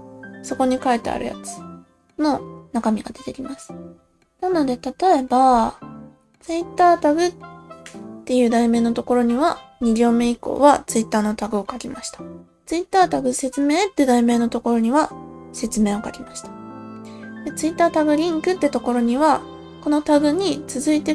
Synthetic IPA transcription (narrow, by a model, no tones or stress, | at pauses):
so̞ko̞ɲ̟ikaet̪ːea̰ɾɯ̟̰ja̰t͡sɨ̥ | no̞nakamʲiɡa̰d̪e̞t̪e̞kʲimasɨ̥ | nano̞d̪e̞t̪at̪o̞e̞ba | t͡sɨit̪ːaːt̪aɡɯ̟ | t̪ːe̞jɯ̟ːd̪aime̞ːnot̪o̞ko̞ɾo̞ɲ̟iβ̞aɲ̟iɾʲo̞ːme̞iko̞̰ːβat͡sɨit̪ːaːno̞t̪aɡɯ̟o̞kakʲimaɕi̥t̪ḁ | t͡sɨit̪ːaːt̪aɡɯ̟se̞t͡sɨme̞ːt̪ːed̪aime̞ːnot̪o̞ko̞ɾo̞ɲ̟iβase̞t͡sɨme̞ːo̞kakʲimaɕi̥t̪ḁ | d̪̥e̞t͡sɨit̪ːaːt̪aɡɯ̟ɾʲĩŋkɯ̟t̪ːet̪o̞ko̞ɾo̞ɲ̟iβa | ko̞no̞t̪aɡɯ̟ɲ̟it͡sɨzɨit̪e